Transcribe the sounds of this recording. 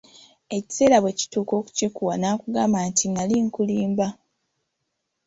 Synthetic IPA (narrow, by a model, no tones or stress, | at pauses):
e̞ci̥se̞ːlaβwe̞ci̥tuːko̞ːku̥cikuwanaːkuɡaːmaːntiŋaliŋkuliːmba